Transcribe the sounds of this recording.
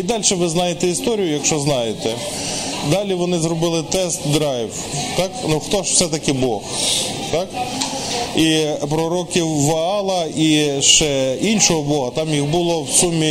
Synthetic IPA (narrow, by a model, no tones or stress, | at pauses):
id̪ɑlʲʃɛʋɪznɑjet̪ɛist̪ɔɾʲijʊjɐkʃt͡ʃɔznɑjet̪ɛ | d̪ɑlʲiʋɔnɪzɾɔbɪlˠɪt̪ɛst̪d̪ɾɑjw | t̪ɑknuxt̪ɔʃw̥sɛt̪ɐkɪbɔx | t̪ɑk | ipɾɔɾɔkʲiwːɐɑlˠɐiʃt͡ʃɛinʃɔɦɔbɔɦɐt̪ɑmjixbʊlˠɔwsumʲːi